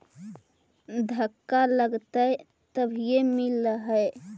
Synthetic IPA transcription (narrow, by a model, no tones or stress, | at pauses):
d̪ʱəkːaləɡt̪ə | t̪əbʱijemiləɦəe